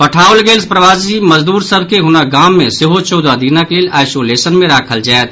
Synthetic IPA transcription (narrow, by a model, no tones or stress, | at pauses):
pəʈʰaːʊlɡeːlspɾəʋaːsiməzd̪uːɾsəbʱkeɦʊnaɡaːmːẽsɪɦot͡ʃoːd̪ad̪iːnakeleːlʔaːɪsoːleːsənmẽɾaːkʰəld͡ʒaːet̪̚